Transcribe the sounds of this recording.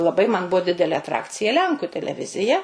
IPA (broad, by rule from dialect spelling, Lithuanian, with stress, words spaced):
lˠɐˈbɐɪ mɐn ˈbuɔ ˈdʲɪdʲɛlʲeː ɐtˈrɑːkt͡sʲɪjɛ ˈlʲɛŋkʊ tʲɛlʲɛˈʋʲɪzʲɪjɛ